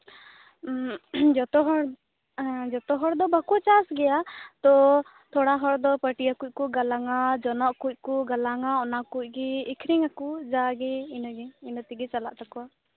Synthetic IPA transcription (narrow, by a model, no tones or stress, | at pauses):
d͡ʒɔt̪ɔɦɔɾ | d͡ʒɔt̪ɔɦɔɾd̪ɔbakɔt͡ʃasɡɛjat̪ɔ | t̪ʰɔɽaɦɔɾd̪ɔpəʈiakuc̚ˀkuɡalaŋad͡ʒɔnɔʔkuc̚kɔɡalaŋaɔnakuc̚ˀɡɛikʰɾiŋakud͡ʒaɡɛinɔɡɛinɔt̪iɡɛt͡ʃala̰ʔt̪akɔwa